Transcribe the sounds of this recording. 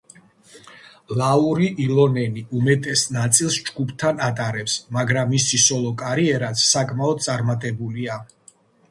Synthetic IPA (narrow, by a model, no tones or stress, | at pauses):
lauɾiʔilɔnɛniʔumɛt̪ʼɛsnat̪sʼilˠsd͡ʒɡupʰt̪ʰanat̪ʼaɾɛpsmaɡɾamːisisɔlˠɔkʼaɾiɛɾat̪sʰːakʼmaɔd̪̚t̪sʼaɾmat̪ʼɛbulia